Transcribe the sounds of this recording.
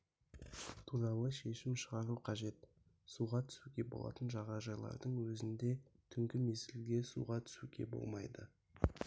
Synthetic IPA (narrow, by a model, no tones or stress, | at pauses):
t̪ʰuɾɑlˠəʃe̞ʃɪmʃəʁɑɾuqʰɑʒe̞t̪ | suʁɑt̪ʰʏ̥suɡʲe̞bo̞̰lˠɑ̰t̪ənʒɑʁɑʒɑjlˠɑ̰ɾd̪əɴwɵzɪnd̪e̞t̪ʰʏŋkʲɪmezɪlɡʲe̞sṵʁɑt̪ʰʏ̥suɡʲe̞̰bo̞̰lˠmɑjd̪ə̰